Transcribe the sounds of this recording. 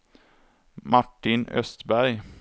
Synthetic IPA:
mʔaʈːɪnœ̰st̪bæɾj

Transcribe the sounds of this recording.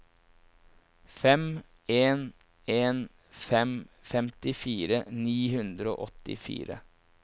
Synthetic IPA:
fɛm | eːn | eːn | fɛmfɛmt̪ɪfiːɾəniːhʉnd̪ɾəo̰ːʔɔt̪ɪ̰fḭːɾə̰

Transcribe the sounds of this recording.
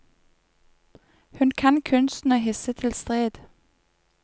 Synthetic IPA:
hʉnkʰɑnkʰʉnst̪n̩əɦɪsət̪ʰɪlst̪ʁeːd̪̥

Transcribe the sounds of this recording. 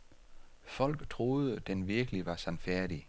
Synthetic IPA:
fɒ̽l̰ɡ̥t͡sʰʁo̝ːð̩ˠəd̥enʋiɐɡ̥əliʋɑ̈sænfæɐɾ̥i

